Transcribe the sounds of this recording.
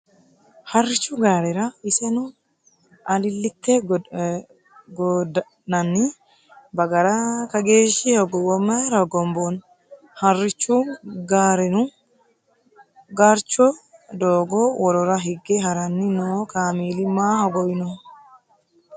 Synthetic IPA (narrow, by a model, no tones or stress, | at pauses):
hɐrːɪt͡ʃːuɡaːɾɛɾɐɪsɛnʊ | ɐlɪlːɪt̪ːe | ɡɔd | nɐnːi | bɐɡɐɾɐkɐɡe̞ːʃihɐɡɔwɔmːɐɾɐɡɔmbon | hɐrːɪt͡ʃːuːɡaːɾɛnʊ | ɡaɾt͡ʃːɔd̪oːɡɔwɔɾɔɾɐɦɪɡːeɦɐɾɐnːɪnoːkaːmiːlɪmaːhɐɡɔjɪnɔ